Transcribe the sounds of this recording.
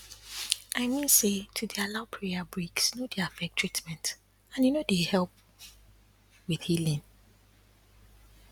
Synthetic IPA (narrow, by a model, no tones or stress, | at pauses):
aɪmĩnsetʰudialaʊpʰɹeabɹiksnodiafɛk̚tʰɹ̥itmɛ̃nt | ãnjunodehɛlˠp̚ | wiθhilĩŋ